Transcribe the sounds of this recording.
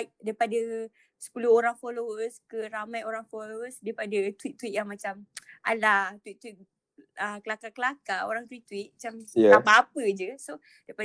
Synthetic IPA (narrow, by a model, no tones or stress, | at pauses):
ak̚daipadə | sə̥puluhoɾaŋfolowəskəɾamãjoɾaŋfolowəsdaipadət̪uit̪ːuit̪̚jaŋmat͡ʃamʔa̰lat̪wit̪̚t̪ːwit̪̚ | əkəlakakəlakao̰ɾaŋt̪uiʔt̪uit̪̚mat͡ʃamaapaap̚əd͡ʒəso | daipa